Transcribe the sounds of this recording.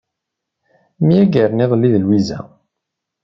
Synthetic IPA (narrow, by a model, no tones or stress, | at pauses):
mijæɡəɾniðˤlːiðlwizæ̰